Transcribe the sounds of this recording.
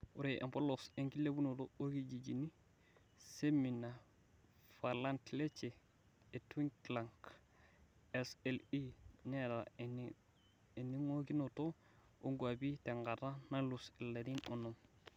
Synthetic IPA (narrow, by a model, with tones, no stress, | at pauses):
u˨ɾe˨ʔa̰˨po˦lose˨ŋki˦lːe˦bu˦no˨too˦ɡid͡ʒi˨d͡ʒi˨ni˦ | se˦mi˨na | fa˨la˦ntle˦t͡ʃeː˨ | twi˦ŋklaŋk | eselineɾa | e˨ni˦ŋo˦ki˦noto | o˦ŋɡwa˨bi˦te˨ŋɡata˦na˦luse˨lːe˨ɾi˦nonom